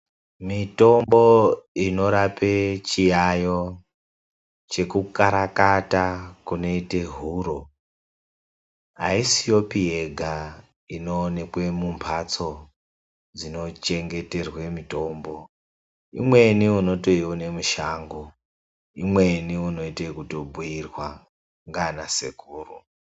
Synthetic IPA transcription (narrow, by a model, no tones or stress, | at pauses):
mito̞mbo̞ino̞ɾapet͡ʃijajo̞ | t͡ʃe̞kukaɾakatakuno̞ite̞ɦuɾo̞ | ɦa̰isijo̞pieɡʱa | ino̞ːne̞kwe̞mumpʰat͡so̞ | d͡zino̞t͡ʃe̞ŋɡe̞te̞rwe̞mito̞mbo̞ | imwe̞niuno̞to̞iwone̞muʃaːŋɡo | imwe̞niuno̞itekuto̞bʱuirwa | ŋɡanasḛkuːru